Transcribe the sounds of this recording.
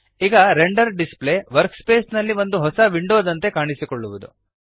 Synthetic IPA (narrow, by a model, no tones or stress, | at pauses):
iɡɐɾeɳɖɐɾɖisple̞ːʋɐɾkspe̞ːsnɐlːiʋo̞nd̪uɦɔsɐʋiɳɖo̞ːd̪ɐnt̪e̞kaːɳisikoɭːuʋud̪ṵ